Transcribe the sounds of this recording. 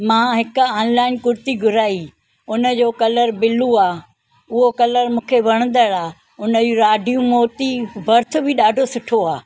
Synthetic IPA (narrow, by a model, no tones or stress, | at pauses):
mãːɦɪkaːnlaːɪnkʊɾt̪iɡʱʊɾaːi | ʊnə̆d͡ʑoːkɐləɾbɪluaː | ʊɦokɐləɾmũːkʰeʋɐɽ̃ə̃n̆d̪əɽaː | ʊnəd͡ʑuɾaːɖʱijũmoːt̪ibɐɾt̪ʰʊbʱiɗaːɖʱosʊʈʰoaː